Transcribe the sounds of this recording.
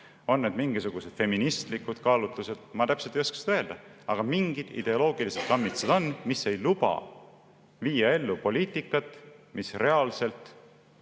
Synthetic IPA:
o̞nːed̪miŋɡ̥isuɡ̥use̞d̪̥fe̞minist̪likud̪̥kɑːlut̪luse̞d̪̥mɑt̪æpselt̪ejo̞skɑ̥si̥nøee̞ld̪̥ɑɑɡ̥ɑmiŋɡ̥id̪̥ḭd̪e̞o̞lo̞ːɡ̥ilised̪̥̚kɑmːit̪sed̪̥o̞nmisːe̞jlubɑ̰ | viːjɑe̞lːupo̞lʲiːt̪ːˑikːˑɑt̪ːˑmʔisre̞ɑlse̞lt̪ˑ

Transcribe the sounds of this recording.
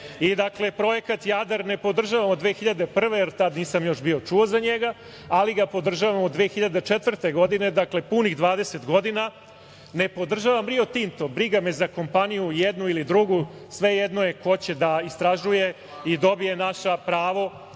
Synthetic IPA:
id̪akle̞pɾo̞je̞kat̪jad̪aɾne̞po̞d̪r̩ʒaʋamod̪ʋexiʎad̪e̞pr̩ʋe̞jeɾt̪ad̪niːsamjo̞ʃbio̞t͡ʂuozaɲeɡa | aliɡapo̞d̪r̩ʒaʋamod̪ʋeːxiʎad̪e̞t͡ʃet̪ʋr̩t̪e̞ɡo̞d̪ine̞d̪akle̞puniɣd̪ʋaːd̪e̞se̞t̪ɡo̞d̪ina | ne̞po̞d̪r̩ʒaːʋamɾio̞t̪int̪o̞bɾiɡamezako̞mpanijujed̪nuilid̪ɾuɡusʋe̞jed̪noje̞ko̞t͡ɕe̞d̪aist̪ɾaʒuje̞ | id̪o̞bie̞naʃapɾaːʋo

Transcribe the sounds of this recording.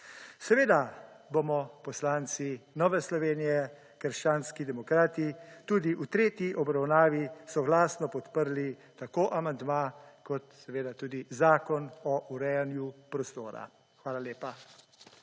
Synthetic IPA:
sɛʋeːd̪a | bomɔpɔslaːnt̪sinɔːʋɛslɔʋeːnijɛ | kəɾʃt͡ʃaːnskid̪ɛmɔkɾaːt̪it̪uːd̪iʔut̪ɾeːt̪jiʔɔbɾawnaːʋisɔɡlaːsnɔpɔt̪pəɾli | t̪akoːʔamand̪maːkɔt̪sɛʋeːd̪at̪uːd̪izaːkɔnɔʔuɾɛjanjupɾɔst̪oːɾa̰ | xʋaːlaleːpa

